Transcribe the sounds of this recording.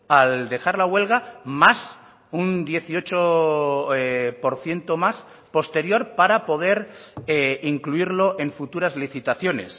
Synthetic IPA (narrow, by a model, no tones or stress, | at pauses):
ald̪e̞xaɾlaɣwe̞lɣamas | und̪je̞θio̞t͡ʃo | po̞ɾθje̞nt̪o̞mas | po̞st̪e̞ɾjo̞ɾpaɾapo̞ð̞e̞ɾeiŋkluiɾlo̞ʔe̞ɱfut̪uɾazliθit̪aθjo̞ne̞̰s